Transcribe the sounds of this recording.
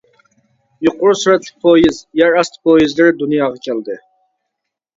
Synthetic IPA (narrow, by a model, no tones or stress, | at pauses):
juqʊɾusuɾɛt̪ʰlˠɪk̚ʲpʰojizjɛɾɑst̪ʰpʰojizlɪɾɪd̪unjɑːʁɑkʲʰæld̪ɨ